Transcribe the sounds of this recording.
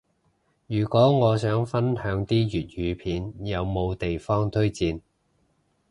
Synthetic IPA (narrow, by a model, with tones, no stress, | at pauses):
jyː˨˩kʷɔː˨˥ŋɔː˨˧sœː˨˥ŋfɐ˥nhœː˨˥ŋt̪iː˥jyː˨˩t̚jyː˨˧pʰiː˨˧njɐ˨˧wmo˨˧wt̪e˨jfɔː˥ŋt̪ʰɵ˥ɥt͡siː˧n